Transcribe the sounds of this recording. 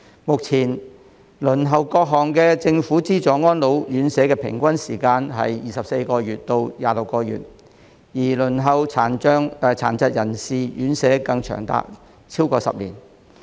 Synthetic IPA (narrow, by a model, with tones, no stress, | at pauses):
mʊ˨k̚t͡sʰiː˨˩n | lɵ˨˩nɦɐ˨wkɔː˧k̚ɦɔː˨˩ŋkɛː˧t͡sɪ˧ŋfuː˨˥t͡siː˥t͡ʃɔː˨˥ŋɔː˥nlo˨˥wjyː˨˥nsɛː˨˥kɛː˧pʰɪ̰˨˩ŋkʷɐ˥nsiː˨˩kaː˧nɦɐ̰˨jjiː˨˩sɐ˨p̚se˧jkɔː˧jyː˨t̚t̪o˧wjaː˨lʊ˨kːɔː˧jy̰ː˨t̚ | jiː˨˩lɵ˨˩nɦɐ˨˧wʰaː˨˩nː˥ŋ˨˧t͡sʰa̰ː˨˩nt͡sɐ˧t̚jɐ˨˩nsiː˨jy̰ː˨˥nsɛː˨˥kɐ˧ŋt͡ʃʰœ̰ː˨˩ŋt̪a̰ː˧k̚ | t͡sʰiː˥wkɔː˧sɐ̰˨p̚lḭː˨˩n